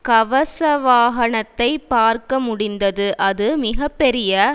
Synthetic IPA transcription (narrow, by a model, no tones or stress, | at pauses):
kɐʋɐsɐʋaːɣɐɳɐt̪ːɐɪpːaːɾkɐmʊɽɪnd̪ɐðɯʔɐðɯmɪɣɐpːɛɾɪjɐ